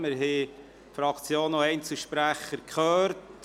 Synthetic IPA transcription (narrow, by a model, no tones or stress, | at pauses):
mɪɾɦe | fɾɑkt͡sjoːnoɛɪnt͡sl̩ˠʃpɾæχəɾkʰχœːɾt